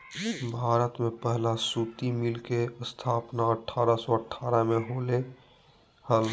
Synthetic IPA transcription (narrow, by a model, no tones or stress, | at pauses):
bʱaːɾət̪mẽpɛɦlãsuːt̪imɪlkeəst̪ʰaːpnaəʈʰːaːɾasɔəʈʰaːɾamẽɦoːle | həl